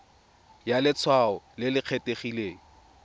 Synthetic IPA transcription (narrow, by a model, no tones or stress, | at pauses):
jalɪt͡sʰwaɔlɪlɪq͡χʰeteχileːŋ̩